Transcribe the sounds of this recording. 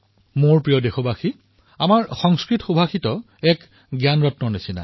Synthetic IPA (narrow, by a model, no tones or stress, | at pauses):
moɹpɹijɔdexɔbaxi | amaɹxɔŋskɹitxobʱaxitɔ | ɛk | ɡjanɹɔtnɔnesina̰